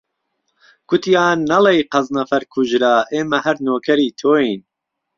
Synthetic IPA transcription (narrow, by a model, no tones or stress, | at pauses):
kʰʊt̪ʰijaːnːɐlejqɐznɐfɐɾkʰuʒɾaːʔeːmɐhɐɾnoːkʰɐɾiːt̪ʰoːin